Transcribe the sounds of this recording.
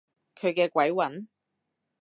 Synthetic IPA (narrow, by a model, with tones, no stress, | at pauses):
kʰɵ˨˧ɥkɛː˧kʷɐ˨˥jwɐ˨˥n